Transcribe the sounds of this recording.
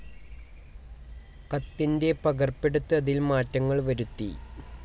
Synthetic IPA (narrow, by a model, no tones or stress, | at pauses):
kɐt̪ːinde̞pɐɣɐrpːe̞ɽut̪ːɨɐðilmaːtːɐŋːɐɭʋɐɾut̪ːi